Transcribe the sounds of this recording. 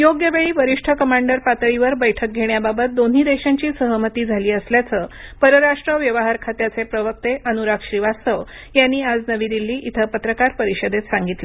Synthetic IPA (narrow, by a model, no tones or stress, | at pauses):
joɡjəʋeɭiːʋəɾiʂʈʰəkəmaɳɖəɾpat̪əɭiʋəɾbəjʈʰək̚ɡʱeɳjababət̪̚d̪onɦiːd̪eɕaɲt͡ɕiːsəɦəmət̪iːd͡zʱaliːəsljat͡səː | pəɾəɾaʂʈɾəʋjəʋəɦaɾkʰat̪jat͡sepɾəʋək̚t̪eʔənuɾakɕɾiʋast̪əʋ | janːiːad͡znəʋiːd̪ilːiːʔit̪ʰəpət̪ɾəkaɾpəɾiɕəd̪et̪saŋɡit̪le